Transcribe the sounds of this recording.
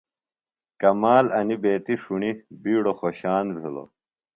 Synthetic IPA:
kɐmaːlɐnibeːt̪iʂuɳibiːɽoxoɕaːnbʱilo̰

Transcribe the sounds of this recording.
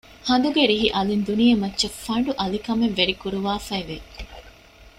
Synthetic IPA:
hɐnd̪uɡeɾiɦiʔɐlind̪unijemɐtːʃefɐɳɖuʔɐlikɐmeʋʋeɾikuɾuʋaːfɐeʋe

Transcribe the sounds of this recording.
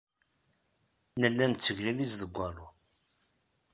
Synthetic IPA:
nəlːænt͡sːəʝlilisðəɡʷːɑɾˤu

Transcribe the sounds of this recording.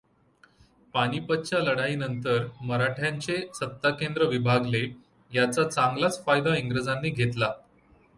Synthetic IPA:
paɽ̃iːpət̪ːɕaləɽainənt̪əɾməɾaʈʰjaɲt͡ɕesət̪ːakend̪ɾəʋibʱaɡle | jat͡sat͡saŋɡlat͡sfajd̪ãiŋɡɾəd͡zanːiːɡʱet̪la

